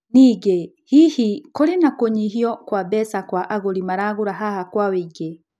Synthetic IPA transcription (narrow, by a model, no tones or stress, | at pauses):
niɡe | hihikɔlinakoɲiɦiɔkwabɛsakwaʔaɣolimaɾaɣuɾaɦahakwawiɡe